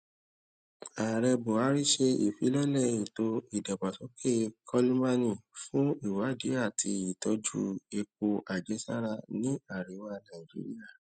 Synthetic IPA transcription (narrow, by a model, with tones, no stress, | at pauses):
a˨ɾɛ˧bo˨a˨˦ɾi˦ʃe˧i˨fi˨˦lɛ˦lɛ˦˨ĩ˨to˧i˦˨da˨ba˨sɔ˨˦kʰe˦kʰɔ˦li˦ma˦nĩ˦˨fũ˦i˦˨wa˨˦˨de˨˦a˦˨tʰi˧i˨tɔ˨˦d͡ʒṵ˦e˧k͡p̚o˧ʔa˨d͡ʒɛ˨˦sa̰˦ɾa˧nĩ˦a˦˨ɾi˨˦wa˦nã˨i˨d͡ʒḭ˦ɾi˦a˦˨